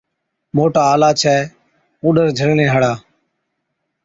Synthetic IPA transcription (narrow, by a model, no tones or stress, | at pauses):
moːʈaːaːlaːt͡ʃʰɛː | ũːɗəɾd͡ʒʱəɽnẽːɦəɽaː